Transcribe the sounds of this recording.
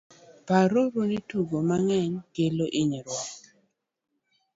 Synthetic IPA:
paɾoɾonituɡomaŋɛɲkeloʔɪɲɛɾwɔ

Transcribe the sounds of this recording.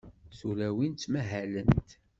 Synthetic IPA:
θulæwint̪ːmæɦælənt̪

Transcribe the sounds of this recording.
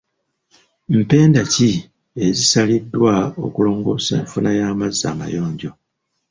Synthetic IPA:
m̩pe̞ːndaci | ezisalidːwao̞̰kulo̞ːŋɡo̞̰ːsḛːɱfunajaːmazːa̰ːma̰jo̞ːɲɟo̞

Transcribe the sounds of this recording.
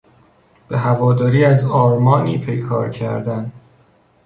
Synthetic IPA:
b̥e̞ɦævɒːd̪ɒːɾiːæzɒːɾmɒːniːpʰejkʰɒːɾcʰæ̰ɾd̪ænd̪

